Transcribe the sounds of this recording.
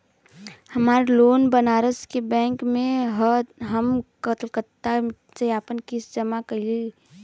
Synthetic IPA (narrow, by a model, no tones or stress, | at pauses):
hɐmaːɾloːnbənaːɾəskebɛ̃ːŋkmẽɦɦəmkət̪lkət̪a | seaːpənkɪsd͡ʒəmakəli